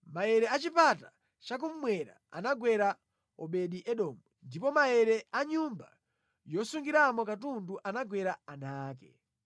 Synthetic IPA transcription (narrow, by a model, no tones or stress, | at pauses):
majɛɾɛat͡ʃipata | t͡ʃak̬um̩mwɛɾa̰a̰naɡwɛɾa | ɔɓɛɗiʔɛɗɔːmundipɔmaɛɾɛaɲumba̰ | jɔsuŋɡiɾamɔkatunduʔanaɡwɛɾaanaːk̬ɛ̰